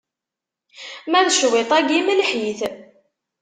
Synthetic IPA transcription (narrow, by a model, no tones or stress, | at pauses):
mæðʃwet̪ˤæɡiməlħiθ